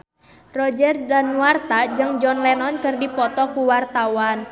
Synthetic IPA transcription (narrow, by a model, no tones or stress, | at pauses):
rɔd͡ʒɛrdanuwart̪ad͡ʒɨŋd͡ʒɔnlɛnɔnkɨrdipɔt̪ɔkuwart̪awan